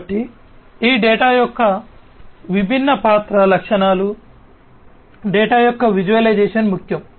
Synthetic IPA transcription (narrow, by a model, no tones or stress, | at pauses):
ʈi | iːɖɛːʈaːjɔkːɐ | ʋibʱinːɐpaːt̪ɾɐlɐkʂɐɳaːlu | ɖɛːʈaːjɔkːɐʋid͡ʒuʋɐlɐjd͡ʒɛːʂɐnmukʰjɐm